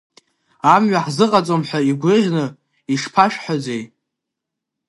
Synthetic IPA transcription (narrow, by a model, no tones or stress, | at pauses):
amɥaħzɨqʼat͡sʼomħʷaiɡʷɨʒʲnɨ | iʂpʰaʃᶣħad͡zej